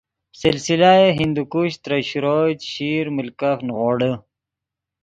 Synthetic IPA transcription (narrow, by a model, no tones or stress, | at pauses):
silsilaeɦind̪ukuɕt̪ɾɐɕuɾoːtɕiːɾmulkafnɣoːɽə